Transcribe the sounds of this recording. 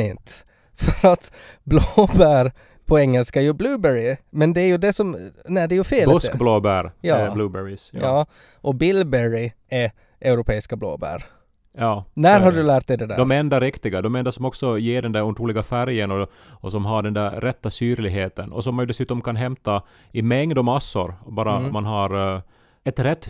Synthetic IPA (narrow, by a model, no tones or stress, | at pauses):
ɪnt̪ | fœɾat̪ | bloːbæːɾ | pʰɔɛŋːɛlskaɛjɵblʉːbɛɾɪmɛnd̪ɛæɾjʉd̪ɛsɔmnæɖɛjɵfeːlɔskbloːbæːɾjɑblʉːbɛɾɪsɑː | ʔɔbɪlbɛɹɪ | ɛ | ʔɛʊɾʊpʰeːɪskablo̰ːbæ̰ːɾ | jɑːnæɾhaɖɵlæːʈ̚d̪ɛd̪ɛd̪æ̰d̪ɔmɛɾɛnd̪aɾɪkt̪ɪɡad̪ɔmɛnd̪asɔmɔksɔjeːɖɛnd̪æɾunt̪ɾuːlɪɡafæɾjənɔ | ɔsɔmɦaɖɛnd̪æɾːɛt̪ːasyːɾlɪɡɦeːt̪ənɔ̰sɔmːanjʉd̪ɛsʉːt̪ɔmkʰanɦɛmt̪a | ɪmɛŋd̪ɔmːasːʊɾbɑːɾamanɦaɾ | ɛt̪ɾɛt̪ː